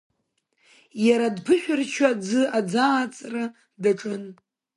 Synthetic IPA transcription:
jaɾadpʰɨʃʷᶣʊrt͡ʃʰad͡zɨad͡zaːt͡sʼra | daʈ͡ʂʼɨn

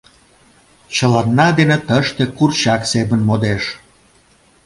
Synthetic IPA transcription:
t͡ɕəlɑnːɑd̪enet̪əʃt̪ekurt͡ɕɑksebənmod̪eʃ

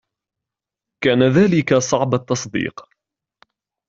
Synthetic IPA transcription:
kaːnaðaːlɪkasˤɑʕbat̪ːɑsˤd̪ḭːq

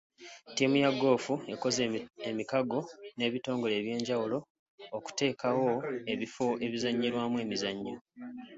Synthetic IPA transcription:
timujaɡo̞ːfue̞ko̞zeemikaɡo̞ne̞ːβito̞ːŋɡo̞le̞ːβje̞ːɲɟawulo̞ | oku̥te̞ːkawo̞e̞βifo̞ʔe̞βizaɲːiɾwaːmue̞ːmizaɲːiɾo

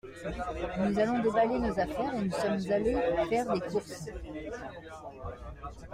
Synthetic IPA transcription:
nuzalɔ̃d̪ebalenozafɛʁenusɔmzalepuʁfɛʁd̪ekuʁs

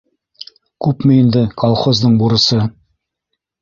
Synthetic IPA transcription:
kʉpmɘind̪ɘkʰolˠχozd̪ɤɴbuɾɤ̆sɤ

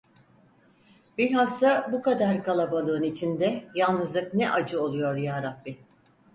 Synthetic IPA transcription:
bilɦasabukad̪aɾkalˠabalˠɯɯnit͡ʃʰind̪ɛjalˠnɯzlˠɯknɛʔad͡ʒɯo̞lˠujo̞ɾjaːɾabːi

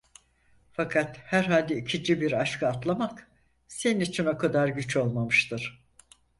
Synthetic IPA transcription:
fakʰat̪hæɾɦalʲd̪ɛicʰid͡ʒibiɾaʃkʰaːt̪lˠamak | se̞ninit͡ʃʰino̞kʰad̪aɾɟyt͡ʃo̞lˠmamɯʃt̪ʰɯɾ̥

